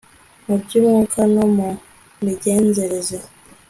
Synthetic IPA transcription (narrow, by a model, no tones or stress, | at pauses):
mubɟimukʰanomu | miɟeːnzeɾeze